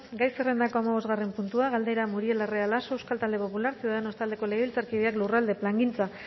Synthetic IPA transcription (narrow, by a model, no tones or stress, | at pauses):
ɡajsere̞nd̪ako̞amaβ̞o̞zɣare̞mpunt̪uaɣald̪eɾamuɾie̞larealaso̞ewskalt̪ald̪e̞po̞pulaɾsiuðaeno̞st̪ald̪e̞ko̞leɣeβilt͡saɾkiðeaklurald̪e̞plaŋɡint͡sa